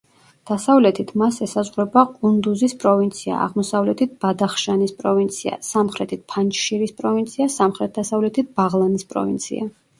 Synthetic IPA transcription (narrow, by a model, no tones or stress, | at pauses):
d̪̥asavlɛt̪ʰit̪ʰmasɛsazʁɾɛbaqʼund̪uzispʼɾɔvint̪sʰia̰ʔa̰ʁmɔsavlɛt̪ʰit̪̚b̥ad̪aχʃanispʼɾɔvint̪sʰia̰samχɾɛt̪ʰit̪̚pʰant͡ʃʼʃiɾispʼɾɔvint̪sʰiasamχɾɛt̪̚d̪asavlɛt̪ʰit̪̚b̥aʁlˠanispʼɾɔ̰vḭnt̪sʰḭa